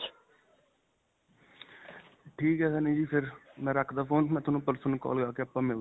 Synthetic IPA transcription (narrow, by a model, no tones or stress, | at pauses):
ʈʰiːkɦɛːsɛːnĩːd͡ʒiːpʰɪɾmɛ̃ːɾəkʰd̪aːpʰoːnt̪mɛ̃ːt̪ʊnũːpəɾsənkɔ̰ːlɡaːkeəpãːmɪ